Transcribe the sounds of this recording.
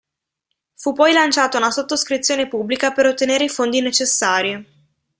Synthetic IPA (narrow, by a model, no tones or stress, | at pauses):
fupːɔjlant͡ʃaːt̪ounasot̪ːoskɾit̪sːjoːnepubːlikapeɾot̪ːeneːɾeifond̪inet͡ʃesːaːɾi